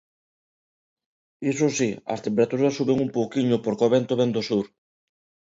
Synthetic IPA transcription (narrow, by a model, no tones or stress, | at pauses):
isosiɐ̰st̪empeɾat̪uɾɐsːuβeŋumpowkiɲʊpoɾkoβent̪oβend̪osuɾ